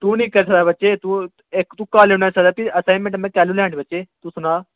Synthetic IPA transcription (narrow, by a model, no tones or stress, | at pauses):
t̪uːnĩːkɐɾsɐd̪aːbətːt͡ʃet̪u | ekt̪uːkaːlenaːsɐd̪aːt̪iɐsaːnmẽɳʈmẽkɛːlulɛ̃ːɳibət͡ʃeːt̪usʊnaː